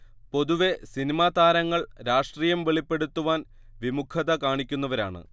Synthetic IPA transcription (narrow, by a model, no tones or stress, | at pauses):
po̞ðuʋe̞sinimaːd̪aːɾɐŋːɐɭɾaːʂʈriːjɐmʋe̞ɭipːe̞ɽut̪ːuʋaːn | ʋimukʰɐðɐkaːɳikʲːunːɐʋɐɾa̰ːɳɨ̰